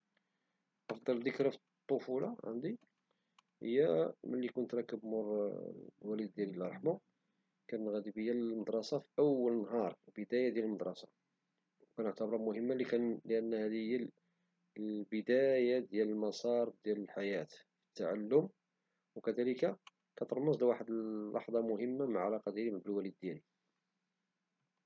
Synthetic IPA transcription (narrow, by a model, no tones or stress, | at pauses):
ʔɑfd̪ˤɑld̪əkɾafi | t̪ˤːofulɑ̰ʕa̰nd̪i | hə̰jːæmælːikʊnt̪ɾˤɑkːəbmʊɾ | wælid̪̚ːjæləlɑɾˤħmu | kænːɣæd̪ibəjːælməd̪ɾˤɑsɑfiʔəwːələnːɦɑɾˤbəd̪æjad̪jæləməd̪ˤɾˤɑsɑ̰ | wkænʊʕt̪əbɾˤɑmʊɦəmːaləkænləʔənːhæd̪əjːə | bəd̪æjad̪jæləlmɑsˤɑɾˤd̪jæləlħajæt̪ | fi̥ət̪ːaʕalːʊm | wkəd̪æləka | kæt̪əɾməslwaħəd̪əllːɑ̰ħd̪ˤɑmʊɦəmːaməʕalɑqɑd̪iɾimbəlwælid̪̚ːjæli